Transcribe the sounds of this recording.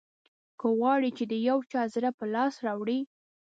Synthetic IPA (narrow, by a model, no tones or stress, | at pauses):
kəɣwɑɽit͡ʃed̪əjawt͡ʃɑzɾapəlɑsɾɑwɽi